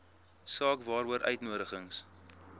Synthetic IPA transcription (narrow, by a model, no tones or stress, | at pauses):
sɑːkvɑːɾuəɾʔœ̰ɥtnuəɾəχəŋs